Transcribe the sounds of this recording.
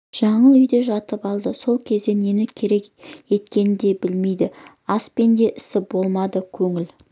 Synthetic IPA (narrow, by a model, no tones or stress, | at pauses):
ʒ̥ɑɴəlˠʏjd̪e̞ʒɑt̪əpɑlˠd̪əso̞lˠkʲʰe̞zd̪e̞ne̞nɪkʲʰe̞ɾe̞kje̞t̪kʲe̞nɪd̪e̞bɪlme̞jd̪ɪ | ɑspe̞nd̪e̞ʔɪsɪbo̞lˠmɑd̪əkʲʰɵŋɪl